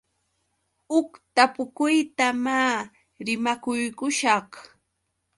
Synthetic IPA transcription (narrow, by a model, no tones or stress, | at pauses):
ʊkt̪apʊkʊjt̪amaː | ɾɪmakʊjkʊʃɑχ